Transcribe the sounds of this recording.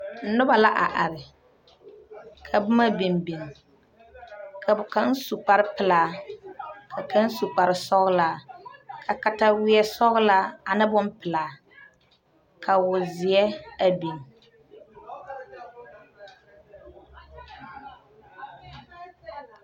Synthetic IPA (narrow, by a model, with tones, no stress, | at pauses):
n̩˨nʊ˦ba˨la˦ʔa˨ʔa˨ɾɪ˨ | kʰa˨bʊ˦ma˦be˨mbe˨ŋ˨ | kʰa˨bka˦n̩˦su˨k͡pa˨ɾɪ˦pɪ˨laː˨ | kʰa˨ka˦n˦su˨k͡pa˨ɾɪ˨sɔ˦ɣlaː˨kʰa˨ka˦ta˦wɪ˦ɛ˦sɔ˦ɣʊ˦la˦a˨nɨ˦bʊ˦mpɪ˨laː˨ | kʰa˨wʊ˨zɪ˨ɛ˦a˨bi˨ŋ